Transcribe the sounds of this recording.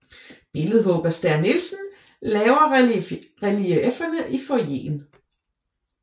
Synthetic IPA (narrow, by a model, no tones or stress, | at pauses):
b̥e̝ləð̞̩ˠɦɔɡ̥ɐsd̥æɐnːelsn̩ | lɛːʊɐ | ʁɛliʔefɐnəʔifɒje̝̰ːn